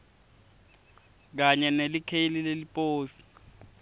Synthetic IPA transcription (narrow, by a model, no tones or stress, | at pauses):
k̬aɲɛnelikʰelilelipʼoːsi̥